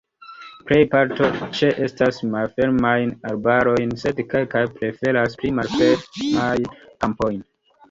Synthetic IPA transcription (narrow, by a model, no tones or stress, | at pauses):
pɾe̞jpaɾto̞t͡ʃe̞ʔe̞stasmalfe̞ɾmajnaɾbaɾo̞jnse̞dke̞lkajpɾe̞fe̞ɾasplimalfeɾmajkampo̞jn